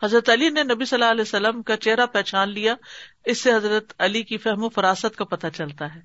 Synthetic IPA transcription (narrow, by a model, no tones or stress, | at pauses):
hɐzɾət̪ɐlinenɐbisɐlːaɐlɛːsɐlːəmkat͡ʃeɦɾapɛːt͡ʃaːnlijaɪsːeɦɐzɾət̪ɐlikifɛɦmõfɐɾaːsət̪kapɐt̪at͡ʃɐlt̪aɦɛː